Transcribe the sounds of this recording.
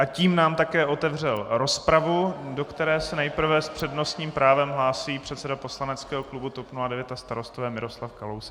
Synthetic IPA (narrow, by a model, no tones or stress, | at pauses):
ʔaciːmnaːmt̪akɛːʔot̪ɛvr̝ɛlɾo̞spɾavudo̞kt̪ɛɾɛːsɛnɛjpr̩vɛspr̝̥ɛdno̞st̪ɲiːmpɾaːvɛmɦlaːsiːpr̝̥ɛt̪sɛdapo̞slanɛt͡skɛːɦoklubut̪opnuladɛvjɛt̪ast̪aɾo̞st̪ovɛːmɪɾo̞slafkalows